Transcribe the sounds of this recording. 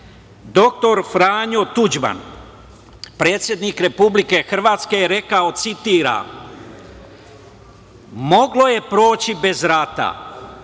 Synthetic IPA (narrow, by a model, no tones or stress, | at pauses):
d̪o̞k̚t̪o̞ɾfɾaːɲo̞t̪ud͡ʒba̰n | pɾe̞ːt̪sʲje̞d̪nikɾe̞publike̞xr̩ʋaːt̪ske̞jeɾe̞kao̞t̪sit̪iːɾa̰ | mo̞ɡlo̞je̞pɾo̞ːt͡ɕibe̞zɾat̪a̰